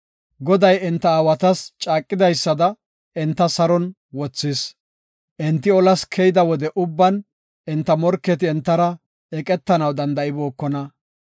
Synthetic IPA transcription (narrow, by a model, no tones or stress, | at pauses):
ɡɔd̪ɐjɪnt̪ːɐaːwɐt̪ɐst͡ʃʼaːkʼːɪd̪ɐjsːɐd̪ɐ | ɪnt̪ːɐsɐɾɔn | wɔt͡sːɪs | ʔɪnt̪ːɪɔlɐskʰɛjɪd̪ɐwɔd̪ɛʔʊbːɐn | ʔɪnt̪ːɐmɔɾkːɛt̪ɪɛnt̪ːɐɾɐ | ɛkʼɛt̪ːɐnɐwd̪ɐnd̪ɐɪbo̞ːkːɔnɐ